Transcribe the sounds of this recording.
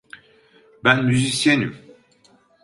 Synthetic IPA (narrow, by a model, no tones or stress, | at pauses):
bænmyzisjɛnym